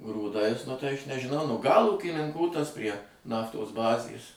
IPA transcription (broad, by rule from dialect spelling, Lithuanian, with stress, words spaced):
ɡruːˈdɐɪs nʊ tɐɪ ɐʃ nʲɛʒʲɪˈnɐʊ nʊ ɡɐlˠ uːkʲɪnʲɪŋˈkuː tɐs pʲrʲiɛ ˈnɑːftoːs ˈbɑːzʲeːs